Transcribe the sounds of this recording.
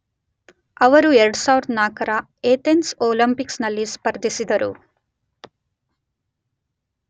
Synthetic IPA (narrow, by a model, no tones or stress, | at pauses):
ɐʋɐɾueɾɐɽusaːʋiɾɐd̪ɐnaːkɐɾɐ | eːt̪ensoːlɐmpiksnɐlːispɐɾd̪ʱisid̪ɐɾṵ